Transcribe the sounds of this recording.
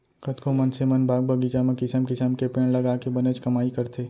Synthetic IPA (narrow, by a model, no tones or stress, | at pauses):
kət̪komɐnsemɐnbʱaːɡ̚bʱɐɡit͡ʃamẽkɪsəmkɪsəmkepẽːɽ̃lɐɡaːkebɐnət͡ʃkɐmaːikɐɾt̪ʰeː